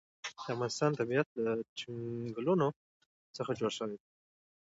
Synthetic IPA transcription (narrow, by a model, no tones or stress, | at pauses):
d̪̥əafɣɑnɪst̪ɑnt̪abijat̪̚lat͡ʃiɡluno | t͡səxad͡ʒoɽʃəwed̪a